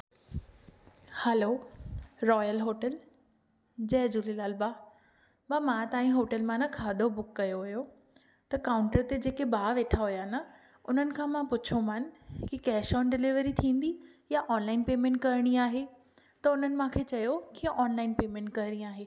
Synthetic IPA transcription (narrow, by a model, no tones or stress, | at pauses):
hɛloːɾɔːjəlɦoːʈəl | d͡ʑɛːd͡ʑuːlilaːlbaː | baːmãt̪aːĩɦoːʈəlmãnɐkʰaːɗobʊkːɐjoɦʊjo | t̪ɐkaːʊ̃ɳʈəɾt̪ed͡ʑeːkebaːʋeːʈʰaɦʊjanɐ | ʊn̤ənɪ̆kʰãːmãpʊt͡ɕʰomanɪ̆kikɛːʃɔːnɖɪlɪʋəɾit̪ʰĩːn̆d̪ijaʔɔːnlaːɪnpeːmẽɳʈ̚kɐɾɽ̃iaːɦe | t̪ɐʊn̤ənɪ̆mãkʰeːt͡ɕɐjokiʔɔːnlaːɪnpeːmẽːɳʈ̚kɐɾɽ̃ĩaːɦeː